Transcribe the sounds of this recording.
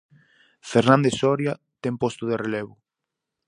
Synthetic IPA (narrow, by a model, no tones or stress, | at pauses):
feɾnãnd̪esɔɾja | t̪ɛmpost̪oðereleβʊ